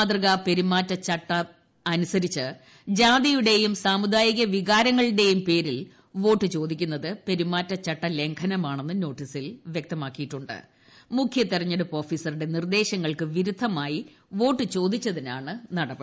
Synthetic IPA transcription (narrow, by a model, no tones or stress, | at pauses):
t̪rɨɣape̞ɾimaːtːɐt͡ɕɐʈːɐː | nusɐɾit͡ɕːɨ | d͡ʑaːd̪ijuɽe̞jumsaːmud̪aːjiɣɐʋiɣaːɾɐŋːɐɭɨɽe̞jumpe̞ːɾil | ʋo̞ːʈːɨt͡ɕo̞ːd̪ikʲːunːɐðɨpe̞ɾimaːtːɐt͡ɕɐʈːɐle̞ŋkʰɐnɐmaːɳenːɨno̞ːʈːisilʋjek̚t̪ɐmaːkːijiʈːuɳɖɨ̰ | mukʰjɐt̪ːirɐɲːɐɽupo̞ːfiːsɐruɽe̞nird̪e̞ːɕɐŋːɐɭkɨʋiɾud̪ʱːɐmaːji | ʋo̞ːʈːɨt͡ɕo̞ːd̪it͡ɕːɐðinaːɳɨnɐɽɐpːɨ